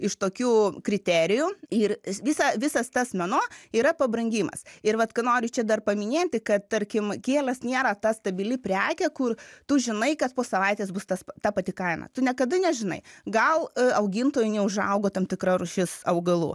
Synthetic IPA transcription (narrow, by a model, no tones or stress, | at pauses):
ɪʃt̪oːkʲuːkɾʲɪt̪ʲɛːɾʲɪjuɪrʋʲɪsɐʋʲɪsɐst̪ɐsmʲɛnoːiːɾɐpɐbɾɐŋʲɡʲiːmɐ̰sɪɾʋɐt̪kɐnoːɾʲʊt͡ʃʲɛd̪ɐrpɐmʲɪnʲeːt̪ʲɪkɐt̪̚t̪ɐɾʲkʲɪmkʲeːlʲɐsnʲeːɾɐt̪ɐst̪ɐbʲɪlʲɪpʲɾʲæːkʲɛkʊrt̪ʊʒʲɪnɐɪkɐt̪poːsɐʋɐɪt̪ʲeːsbʊst̪ɐspt̪ɑpɐt̪ʲɪkɐɪmɐ̰t̪ʊnʲɛkɐd̪ɐnʲɛʒʲɪnɐ̰ɪɡɐlˠɐʊɡʲɪnt̪oːjʊnʲɛʊʒɐ̰ʊɡoːt̪ɐmt̪ʲɪkɾɐrʊʃʲɪsɐʊɡɐlˠṵː